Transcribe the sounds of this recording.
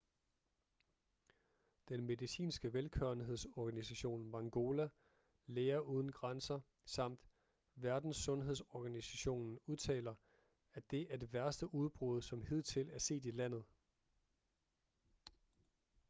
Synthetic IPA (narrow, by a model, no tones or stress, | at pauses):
d̥enme̝ðˠisḭːnsɡ̥əʋelkʰøɐnɦe̝ð̞̰ˠsɒɡ̥ænisæɕo̝̰ːnmɑ̈ŋɡ̥o̝ːlæ | leːɐʔuːð̞ˠn̩ɡ̥ʁansɐ | sɑ̈m̰d̥ | ʋæɐd̥n̩sːɔ̽nɦe̝ðˠsɒɡ̥ænisæɕo̝̰ːnn̩uð̞ˠt͡sʰɛ̰ːlɐ | æd̥e̝ʔæɐd̥e̝ʋæɐsd̥əʔuð̞ˠb̥ʁuðˠsɒ̽mhið̞̰ˠt͡sʰe̝læɐse̝̰ːd̥ilæn̰ð̞̩ˠ